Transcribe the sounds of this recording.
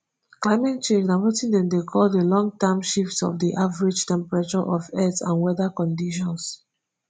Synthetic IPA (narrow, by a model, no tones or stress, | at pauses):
klaɪmɛt̚t͡ʃẽnd͡ʒnamɔtĩndɛ̃mdekʰɔldəlɔ̃ŋtɛmʃiftsɔ̰fdiʔavəɹid͡ʒtɛ̃mpɹat͡ʃɔʔɔvɛtã̰nwɛðakɔ̃ndiʃ̬ɔ̃ns